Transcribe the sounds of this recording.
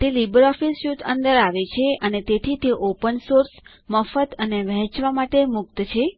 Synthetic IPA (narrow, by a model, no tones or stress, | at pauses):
t̪elibəɾɔfisjut̪ʰə̃nd̪əɾaʋet͡ʃʰeənet̪et̪ʰit̪eʔopənsoɾs | məfət̪əneʋɛ̃ɦt͡ʃʋamaʈemʊk̚t̪t͡ʃʰe